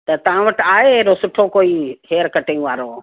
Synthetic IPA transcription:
t̪ɐt̪ɐʋ̤ãʋɐʈ̆aːɦeɗosʊʈʰokoːiɦeːəɾkɐʈɪ̃ŋɡʋaːɾoː

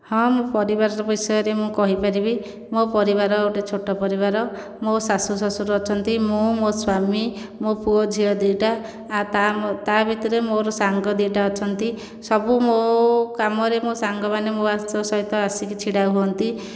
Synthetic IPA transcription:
hɔ̃mũpɔɾibaɾɔɾɔbisɔjɔɾemũkɔɦipaɾibi | mopɔɾiβaɾɔoʈet͡ʃʰoʈɔpɔɾiβaɾɔ | mosasusɔsuɾuɔt͡ʃʰɔnt̪imũmoswami | mopuɔd͡ʒʱiɔd̪iʈaː | t̪at̪abʱit̪ɔɾemoɾɔsaŋɡɔd̪iʈaɔt͡ʃʰɔnt̪i | sɔbumokamɔɾemosaŋɡɔmanemoasɔsɔɦit̪ɔasikit͡ʃʰiɽauɦuɔnt̪i

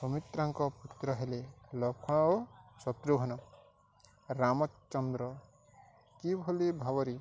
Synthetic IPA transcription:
sɔmit̪ɾaŋkɔput̪ɾɔɦelelɔkʰɔ̃osɔt̪ɾuɡʱɔnɔ | ɾamɔt͡ʃːɔnd̪ɾɔ | kibʱolibʱabɔɾi

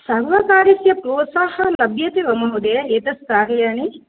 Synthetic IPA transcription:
sɐɾʋɐkaːɾjɐsjɐpɾoːt̪saːhɐlɐbjɐt̪iʋɐmɐɦud̪eʔeːt̪ɐskaːɾjaːni

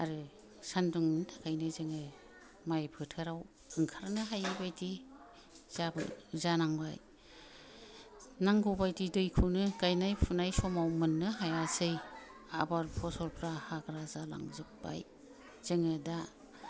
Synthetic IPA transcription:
a̰ɾɯ | sanduŋtʰakʰajnɯzɯŋɯ | majpʰɯtʰɯɾaw | ɯŋkʰaɾnɯɦajɯbajti | z̥abɯ̰zanaŋba̰j | naŋɡɯwbajtidɯjkʰɯnɯkajnajpʰunajsɔmawmɯnːɯɦajasɯja̰baɾpʰɔsɔɾpʰɾahaɡɾazala̰ŋzɯk̚ba̰j | z̥ɯŋɯda

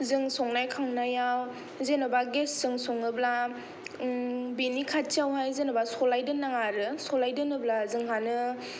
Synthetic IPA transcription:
zɯŋsɔŋnajkʰawnajaw | zenabaɡessɯŋsoŋɯbla | binikʰatt͡ʃiawɦajzenɯbasɔlajdɯnːaŋaɾɯsɔlajdɯnɯblazɯŋɦanɯ

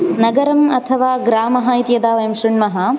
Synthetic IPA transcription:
nɐɡɐɾɐmɐt̪ʰɐʋaːɡɾaːmɐɦɐit̪jɐd̪aːʋɐjɐmʂɾuɳmɐɦɐ

